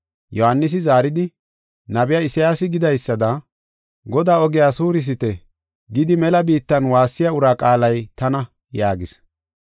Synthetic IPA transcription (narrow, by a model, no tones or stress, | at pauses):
jɔhanːɪs̬ɪzaːɾɪd̪ɪ | nɐbɪjaːɪsɪjaːsɪɡɪd̪ɐjsːɐd̪ɐ | ɡɔd̪aːɔɡɪjaːsuːɾɪs̬ɪt̪ɛ | ɡɪd̪ɪmɛlɐbiːt̪ːɐnwaːsːɪjaʊɾaːkʼaːlɐjt̪ɐnɐ | jaːɡɪs